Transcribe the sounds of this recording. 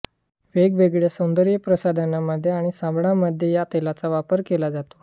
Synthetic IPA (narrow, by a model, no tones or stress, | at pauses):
ʋeɡʋeɡɭjesənd̪əɾjəpɾəsad̪ʱanaməd̪ʱːjeaɽ̃isãmbɳaməd̪ʱjejat̪elat͡saʋapəɾkelad͡zat̪o̥